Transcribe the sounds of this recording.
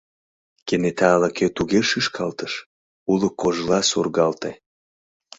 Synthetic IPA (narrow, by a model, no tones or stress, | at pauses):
kenet̪ɑːlɑkøt̪uɣeʃɯʃkʰɑlt̪əʃ | uləkːoʒlɑsurɣɑlt̪e